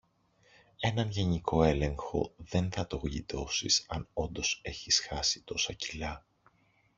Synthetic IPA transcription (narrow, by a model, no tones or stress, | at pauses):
e̞nɐnʝe̞ɲiko̞e̞le̞ŋxo̞̰ðe̞nθɐt̪o̞ɣʎit̪o̞sisɐno̞nd̪o̞se̞çisxɐsi̥t̪o̞sɐcilɐ